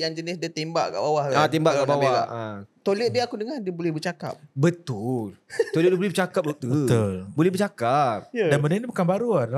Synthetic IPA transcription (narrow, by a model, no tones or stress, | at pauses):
jaŋd͡ʒənɪsdiat̪emba̰ʔka̰ʔbawahlaat̪embaʔkaʔbaweaa̰at̪olɛt̪̚diakudəŋandiəbolɛhbərt͡ʃaka̰p̚bət̪ult̪olət̪̚dibolɛhbərt͡ʃakap̚dok̚t̪ut̪ulbolɛhbərt͡ʃakap̚danmənənibukanbaɾuada